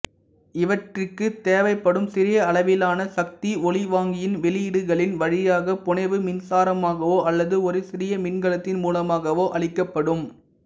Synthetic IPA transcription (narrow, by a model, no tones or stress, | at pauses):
ɪʋɐʈrɪkːɯt̪eːʋɐɪpːɐɽɯmsɪɾɪjɐːɭɐʋɪlaːnɐsɐk̚t̪iɔɭɪʋaːŋɡɪjɪnʋɛɭɪjɪɽɯɣɐɭɪnʋɐɻɪjaːɣɐpʊɳɐɪʋɯmɪnsaːɾɐmaːɣɐʋoːʔɐlːɐðɯɔɾɯsɪɾɪjɐmɪnɡɐɭɐt̪ːɪnmuːlɐmaːɣɐʋoːʔɐɭɪkːɐpːɐɽɯm